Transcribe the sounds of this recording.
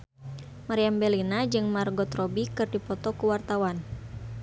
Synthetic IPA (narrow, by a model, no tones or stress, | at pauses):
maɾiambɛlinad͡ʒɨŋmarɡɔt̪rɔbikɨrdipɔt̪ɔkuwart̪awan